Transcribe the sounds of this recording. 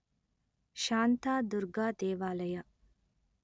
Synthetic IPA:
ʃaːnt̪aːd̪uɾɡaːd̪ɛːʋaːlɐja

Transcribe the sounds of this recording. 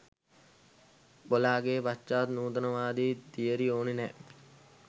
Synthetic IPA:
bolaːɡeːʋat͡ʃːaːt̪nuːt̪ɐnəʋaːd̪iːd̪ijəɾioːninɛ

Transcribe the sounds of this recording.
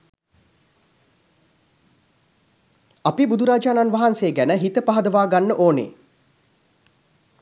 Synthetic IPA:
apibud̪uɾaːd͡ʒaːnanʋaɦanseːɡænəɦit̪əpaɦɐd̪əʋaːɡanːəʔoːnḛː

